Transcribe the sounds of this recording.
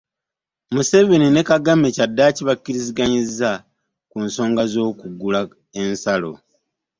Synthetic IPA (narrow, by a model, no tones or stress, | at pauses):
muse̞ve̞nine̞kaɡame̞cadːaːciβakːiɾiziɡaɲizːa | kunso̞ːŋɡazo̞ːkuɡula | e̞nsalo̰